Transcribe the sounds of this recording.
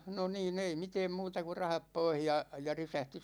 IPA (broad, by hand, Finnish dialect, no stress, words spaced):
no niːn ei miteːm muːtɑ ku rɑhɑp poih jɑ jɑ risæhti